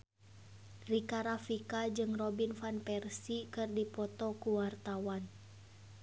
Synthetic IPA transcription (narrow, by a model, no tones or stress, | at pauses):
rikaɾafikad͡ʒɨŋrɔbinfanpɛrsikɨrdipɔt̪ɔkuwart̪awan